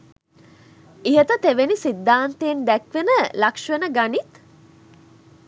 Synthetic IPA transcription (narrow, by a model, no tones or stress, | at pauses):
iɦet̪ət̪eʋenisid̪ːaːnt̪eːnd̪ækʋenəlakʂʋenəɡanit̪